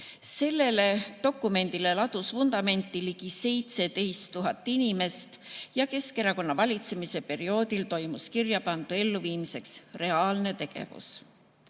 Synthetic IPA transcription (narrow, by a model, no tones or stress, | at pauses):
se̞lːe̞le̞t̪o̞kːˑume̞nd̪̥ile̞lɑt̪usvund̪̥ɑme̞nt̪ːˑiliɡ̥ise̞jt̪se̞d̪e̞jst̪ːuɦɑt̪ːˑinime̞st̪jɑke̞ske̞ɾɑko̞nːɑvɑlʲit̪se̞mise̞pe̞ɾio̞ːd̪ilt̪o̞jmuskirjɑpɑnd̪̥ue̞lːuviːmise̞ksre̞ɑːlne̞t̪e̞ɡ̥e̞̰vṵs